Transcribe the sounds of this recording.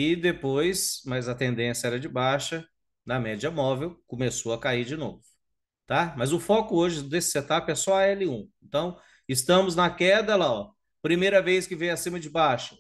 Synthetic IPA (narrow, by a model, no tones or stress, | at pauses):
ɪd̪epojsmɐzɐt̪ẽnd̪ẽsjɐɛɾɐd͡ʒɪbaʃɐ | nɐmɛd͡ʒiɐmɔvewkõmesoɐkaiɾd͡ʒɪno̰vʊ | t̪amɐzʊfɔkʊoʒɪd̪esɪ̥set̪apɪɛsɔaɛlɪũẽnt̪ɐ̃w̃ | ɪst̪ɐ̃mʊznɐkɛd̪ɐlaɔ | pɾimejɾɐvejskɪvẽj̃ɐsĩmɐd͡ʒɪbaʃɐ̥